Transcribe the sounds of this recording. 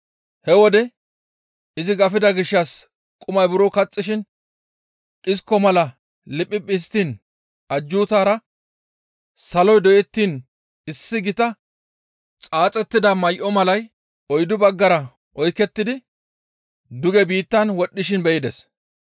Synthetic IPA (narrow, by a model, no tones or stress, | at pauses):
hɛwɔd̪ɛ | ɪzɪɡɐfɪd̪ɐɡɪʃːɐs | kʼʊmɐjbʊɾokɐt͡sʼːɪʃɪn | ᶑɪskːɔmɐlɐ | lɪpʼːɪpʼɪs̬t̪iːn | ʔɐd͡ʒːuːt̪aːɾɐ | sɐlɔjd̪ɔʔɛt̪ːiːn | ɪsːɪɡɪt̪ɐ | t͡sʼaːt͡sʼɛt̪ːɪd̪ɐmɐjʔɔmɐlɐj | ɔjd̪ʊbɐɡːɐɾɐ | ʔɔjkːɛt̪ːɪd̪ɪ | d̪ʊɡɛbiːt̪ːɐnwɔɗːɪʃ̬ɪnbɛjɪd̪ɛs